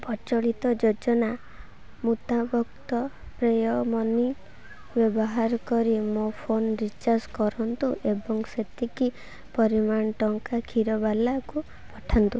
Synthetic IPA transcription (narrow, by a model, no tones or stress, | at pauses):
pɔt͡ʃɔɭit̪ɔd͡ʒod͡ʒɔna | mut̪abɔkt̪ɔpɾejɔmɔni | bjɔbɔɦaɾɔkɔɾimopʰonɾit͡ʃaskɔɾɔnt̪uʔebɔŋset̪iki | pɔɾimaɳɔʈɔŋkakʰiɾɔbalaku | pɔʈʰant̪u